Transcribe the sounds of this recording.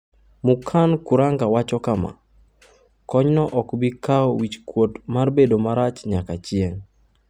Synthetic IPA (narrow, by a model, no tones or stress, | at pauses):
mukʰankuɾaŋɡawat͡ʃɔkama̰ | kɔɲnɔʔɔkbikaɔwit͡ʃkwotmarbedomaɾat͡ʃɲakat͡ʃjeŋ